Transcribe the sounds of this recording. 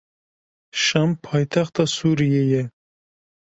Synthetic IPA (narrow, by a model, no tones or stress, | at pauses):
ʃɑmpʰɑjt̪ʰɑχt̪ɑsuɾijejɛ